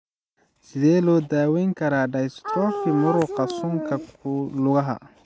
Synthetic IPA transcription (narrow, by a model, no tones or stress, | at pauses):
sɪðɛːlɔːd̪aːwɛjŋkʰɐɾaːɖɐjst̪ʰɾɔːfɪmʊɾʊqɑsʊŋkʰɐkʰʊlʊɣɐɦɐ̰